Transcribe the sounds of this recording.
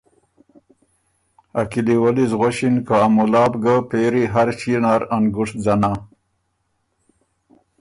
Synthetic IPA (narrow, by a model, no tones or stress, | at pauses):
akiliwalizɣoɕinkaamulɑːbɡapeːɾiɦaɾɕinaːɾanɡuʂd͡zana